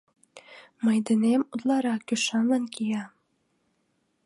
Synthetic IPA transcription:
mɤjd̪ɘ̆nemud̪lˠɑɾɑkʲyʃɑnlɑnkʲijɑ

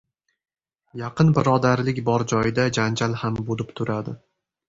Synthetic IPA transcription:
jɑqɨnbɪɾɒd̪aɾlɪkʲbɒɾd͡ʒɒjɪd̪ad͡ʒand͡ʒalhambolɪpt̪ʰʊɾad̪ɪ

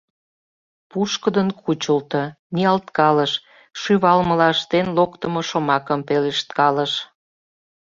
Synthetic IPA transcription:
puʃkəd̪ənkʰut͡ɕəlt̪ə̆ | niɑlt̪kɑləʃ | ʃyβɑlmə̆lɑəʃt̪enlokt̪ə̆moʃomɑkəmpeleʃt̪̚kɑləʃ

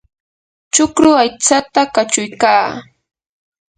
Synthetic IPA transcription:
t͡ʃʊkɾʊajt͡sat̪akat͡ʃʊjkaː

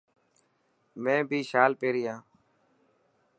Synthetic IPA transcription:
mɛ̃ːbʱiːʃaːlpeːɾɪjãː

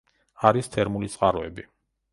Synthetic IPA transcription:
aɾist̪ʰɛɾmulit̪sʼqʼaɾɔɛbi

